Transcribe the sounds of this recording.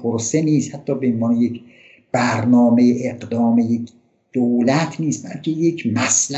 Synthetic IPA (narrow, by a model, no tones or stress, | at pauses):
pʰoɾseniːshæt̪ʰːɒːbeenvɒːnejec | b̥æɾnɒːmejeʔeɢd̪ɒːmejek | d̪̥owlæt̪ʰniːsbælcʰe̞jecʰmæsl